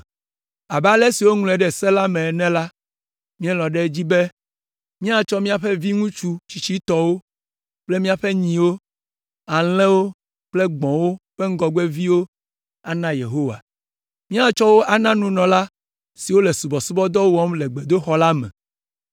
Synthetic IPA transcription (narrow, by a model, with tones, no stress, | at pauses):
a˨ba˨lɛ˦si˨wo˦ŋl̃ɛ˨ɖɛ˨sɛ̃˦la˦mɛ̃˨nɛ̃˦la˦ | mĩ˦ɛ̃˦lɔ̃˨ɖɛ˦d͡ʑi˦be˦ | mĩ˦a˨t͡ʃɔ˦mĩ˦a˦˨ɸɛ˦vi˦ŋũ˦t͡ʃu˦t͡ɕi˨t͡ɕi˦t̪ɔ˦wo˦ | k͡ple˦mĩ˦a˨ɸe˦ɲĩ˨wo˦ | a˨l̃ɛ̃˦wo˦ | k͡ple˦ɡ͡bɔ̃˨wo˦ɸe˦ŋ̩˦ɡɔ˨ɡ͡be˦vi˦wo˦ | a˨nã˦je˨ɦo˦wa̰˨ | mĩ˦a˦t͡ʃɔ˦wo˦ʔa˨nã˦nũ˦nɔ̃˨la˦ | si˨wo˦lɛ˨su˨bɔ˨su˦bɔ˦d̪ɔ˦wɔ˦mlɛ˨ɡ͡be˨d̪o˦xɔ˦la˦mɛ̰̃˨